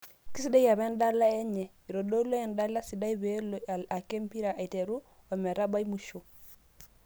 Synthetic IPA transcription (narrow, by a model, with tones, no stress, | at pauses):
ki˦si˦de˦ja˨be˦nda˦la˦e˦ɲe˨ | i˨ɾo˨do˦lo˦ɛ˨nda˦la˦si˨da˦i˦be˦loa˨ke˦mpi˦ɾa˨ʔa˨i˨te˨ɾu˦ | o˨me˨ɾa˦ba˦jmu˨ʃo˨